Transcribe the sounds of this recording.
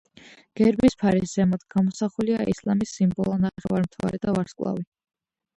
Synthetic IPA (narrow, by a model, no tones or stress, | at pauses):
ɡ̥ɛɾbispʰaɾizɛmɔd̪ɡ̥amɔsaχuliaʔislˠamisːimbɔlˠɔnaχɛvaɾmt̪ʰava̰ɾɛd̪avaɾskʼlˠa̰vi